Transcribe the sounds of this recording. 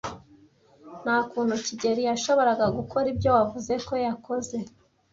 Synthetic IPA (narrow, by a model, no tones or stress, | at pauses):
n̥aːkuːn̥huciɟe̞ɾijaʃo̞βo̞ɾaɡaɡukʰo̞ɾibɟo̞wavuze̞ko̞jako̞ze̞